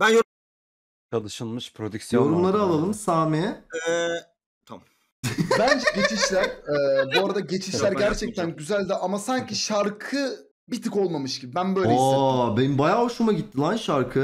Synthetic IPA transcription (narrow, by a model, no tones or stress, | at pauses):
b̥ænjo | t͡ʃʰalˠɯʃɯlˠmɯʃpʰɾod̪yksjojo̞ɾumlˠaɾɯalˠalˠɯmsaːmi | t̪ʰamm | bænd͡ʒɛɟe̞t͡ʃʰiʃlʲæɾ̥ɛbuaɾad̪aɟe̞t͡ʃʰiʃlʲæɾɟæɾt͡ʃʰɛc̚t̪ʰænɟyzælʲd̪iʔamasaɲciʃaɾkʰɯ | bit̪ʰɯko̞lˠmamɯʃɟibibænbø̞jlʲoiebenimbajaːɦoʃumaɟit̪ːilʲˠanʃaɾkʰɯ